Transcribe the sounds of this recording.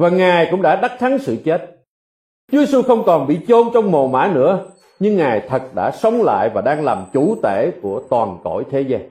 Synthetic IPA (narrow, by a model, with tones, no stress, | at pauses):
vaː˨˩ŋaː˨˩jkʊ̰˧˥ŋ͡mɗa̰ː˧˥ɗa˦˥k̚t̪ʰa˨˦ŋsɨ̰˧˨t͡ɕe˦˥t̚ | t͡ɕu˨˦je˧su˧xə˧wŋ͡mkɔ˨˩nɓḭ˧˨t͡ɕo˧nt͡ɕɔ˧wŋ͡mmo˨˩ma̰ː˧˥nɨ̰˧˥ə | ɲɨ˧ŋːaː˨˩jt̪ʰə˨˩t̚ɗa̰ː˧˥sə˨˦wŋ͡mla̰ː˧˨jvaː˨˩ɗaː˧ŋlaː˨˩mt͡ɕu˧˩t̪ḛ˧˩˨ku˧˩ət̪waː˨˩nkɔ̰˧˩jt̪ʰe˨˦zaː˧ŋ